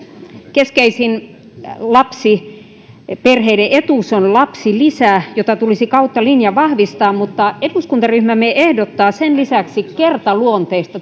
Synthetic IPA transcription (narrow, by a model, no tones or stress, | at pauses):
keskeisin | lɑpsi | perheideʔet̪uˑsonlɑpsilisæjot̪ɑt̪ulisikɑut̪ːɑlinjɑʋɑhʋist̪ɑːmmut̪ːɑeduskunt̪ɑryhmæmeʔehdot̪ːɑːsenlisæksikkert̪ɑluont̪eːst̪ɑ